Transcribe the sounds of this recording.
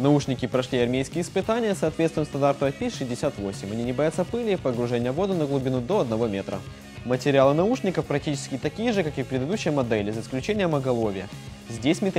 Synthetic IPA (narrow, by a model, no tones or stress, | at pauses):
nɐuʂnʲɪkʲɪpɾɐʂlʲiɐrmʲejskʲɪjəɪspɨt̪anʲɪjəsɐːt̪vʲet̪st̪vɪmst̪ɐnd̪art̪əvəpʲætʲʂɨzʲdʲɪsʲat̪vo̞sʲɪmʲɐnʲinʲɪbɐjat̪səpɨlʲɪpəɡɾʊʐɛnʲɪjəvo̞d̪ʊnəɡlˠʊbʲɪnud̪o̞ɐd̪nɐvo̞mʲe̞t̪ɾə̰ | mətʲɪɾʲɪalˠɨnɐuʂnʲɪkəfpɾɐk̚tʲit͡ɕɪ̥skʲɪt̪ɐkʲijəʐɨkakɨpɾʲɪd̪ɨd̪uɕːɪjəmɐd̪ɛlʲɪzəɪsklʲʉt͡ɕenʲɪjəmɐɡɐlˠo̞vʲɪjə | zʲdʲesʲmʲɪt̪